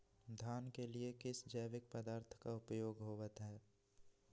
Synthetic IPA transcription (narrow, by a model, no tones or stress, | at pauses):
d̪ʱaːnkeliekɪsd͡ʒəːʋɪk̚pəd̪aːɾt̪ʰkaʊpjoːɡɦoːʋət̪ɦɛː